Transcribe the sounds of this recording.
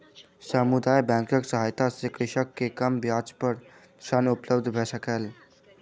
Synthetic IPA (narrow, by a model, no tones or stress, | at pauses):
səmud̪ajbɛ̃ŋkəksəɦaːjt̪asekɾɪʃəkːekəmbjad͡ʒpəɾ | sənupləbd̪ʱbʱesəkəl